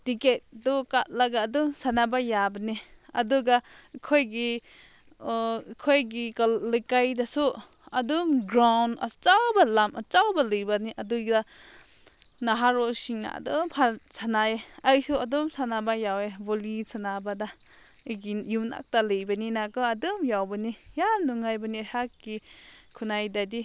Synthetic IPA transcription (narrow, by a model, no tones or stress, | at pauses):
tiket̚dɔkat̚laɡaːdɔmsanabajabaniɐ̰duɡakʰojɡi | kʰojɡiklɯkajdasu | ɐdumɡɾawnɐ̰t͡ʃawbalamʔɐt͡ʃawbalɯjbaniʔaduɡda | naɦaɾosiŋna̰a̰dɔmpʰasanaeaisuadɔmsanabajawebolisanabada | ɡijuna̰k̚talɯjbɐninaɡɯadɔmjawbanijamnuŋajbanihakːikʰunajdadi